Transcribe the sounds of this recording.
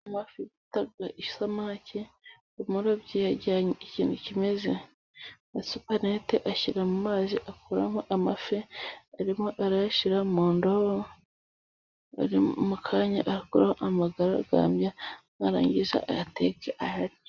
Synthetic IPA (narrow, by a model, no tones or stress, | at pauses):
mafiβitaɡaʔiʃu̥samaːcʰe | imuːndobɟijaɟaɲeiciːnucime̞zḛ | asupaneteʔaçiɾamumaːziʔakuɾa̰moʔamafeaɾimoʔaɾajaʃiɾamoːndoho | a̰ɾimukʰaːɲa̰ʔaɾikuɾa̰hoʔamaɡaɾaɡa̰ːmbja | aɾa̰ːɲɟiza̰atekeʔahaɾi